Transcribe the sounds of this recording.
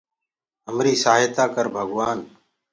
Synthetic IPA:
ɦəmɾiːsaːɦɪt̪aːkəɾbʱəɡʋaːn

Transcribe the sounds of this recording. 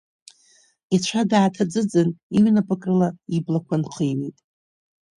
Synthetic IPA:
it͡ʃʷʰadaːtʰad͡zɨd͡zɨniɥnapʰʼakʼrɨlaiblakʷʰanqʰijwḛjtʼ

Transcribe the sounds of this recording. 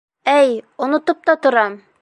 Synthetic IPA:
æjŏnŏt̪ɤp̚t̪ɑt̪ŏɾɑm

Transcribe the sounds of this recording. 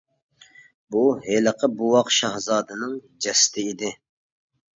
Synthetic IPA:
buɦeləqʰəbuwɑqʃɑhzɑːd̪ɨnɨŋ | d͡ʒɛst̪ʰɪid̪ɪ

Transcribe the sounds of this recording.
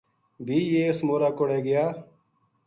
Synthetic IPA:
bʱiːjeːsmoːɾaːkoɽeːɡɪjaː

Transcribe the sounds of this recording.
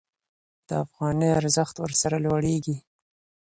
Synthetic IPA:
d̪̥əafɣɑnəjaɾzəxt̪wəɾsaɾalwaɽeɡi

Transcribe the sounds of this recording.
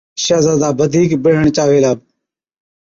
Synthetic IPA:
ʃaːzaːd̪aːbəd̪ʱiːkbɪɽ̤əɳt͡ʃaːʋeːlaːb

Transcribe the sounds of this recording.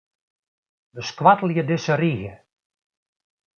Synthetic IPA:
ʋəskʋatəl̩ˠjədɪsəriɣə

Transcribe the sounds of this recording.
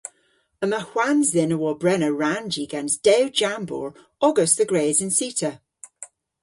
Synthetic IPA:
əməhwanzðɪnəwɔbɹɛnəɹand͡ʒiːɡãnzd̥ɛwd͡ʒambɔ̰ːɹ | ɔɡəsðəɡɹeːzə̃nsiˑtʰə

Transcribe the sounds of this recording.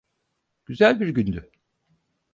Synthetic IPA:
ɟ̥yzælʲbiɾɟynd̪y

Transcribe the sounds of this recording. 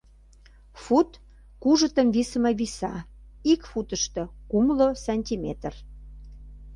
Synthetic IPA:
fut̪ | kuʒə̆t̪əmvisəmɑβisɑ | ikfut̪əʃt̪ɤ̆kumlosɑnʲt̪ʲimet̪ər

